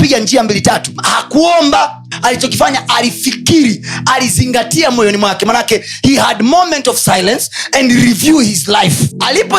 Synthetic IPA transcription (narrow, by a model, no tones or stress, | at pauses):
piɠand͡ʒiambilitatu̥hakuɔmbaː | lit͡ʃɔkifaɲaʔalifikiɾializiŋɡatiamɔjɔnimwakɛmanakɛhihadmomɛ̃ntɔvsajlɛ̃nsɛndɾivjuhizlajfalipɔ